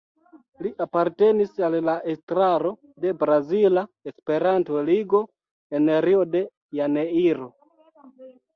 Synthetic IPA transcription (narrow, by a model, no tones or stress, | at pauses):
liʔapaɾte̞nisallaʔestɾaɾo̞ | de̞bɾazilaespe̞ɾanto̞liɡo̞ | eneɾiode̞ | janeiɾo